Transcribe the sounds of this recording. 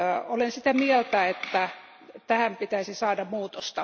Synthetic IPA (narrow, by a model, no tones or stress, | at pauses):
olensit̪æmielt̪æet̪ːæ | t̪æhæmpit̪æisisɑːdɑmmuːt̪ost̪ɑ